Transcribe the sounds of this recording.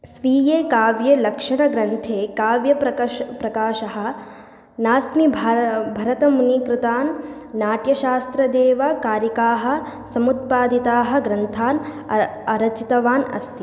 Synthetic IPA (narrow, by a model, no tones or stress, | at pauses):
sʋiːjeːkaːʋjɐlɐkʂɐɳɐɡɾɐnt̪ʰeːkaːʋjɐɐpɾɐkaːʃɐɦɐ̆ | naːsmibʱbʱɐɾɐt̪ɐmunikɾɪt̪aːnː | aːʈjɐʃaːst̪ɾɐd̪eːʋɐkaːɾjɐkaːɦɐ̆ | sɐmut̪̚paːd̪it̪aːɦɐ̆ɡɾɐnt̪ʰaːn | ɐɾɐt͡ʃit̪ɐʋaːnɐ̰st̪i